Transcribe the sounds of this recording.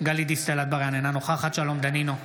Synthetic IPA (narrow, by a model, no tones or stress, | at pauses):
ɡalid̪ist̪elat̪̚baʁjanenanoχaχat̪ʃalomd̪anino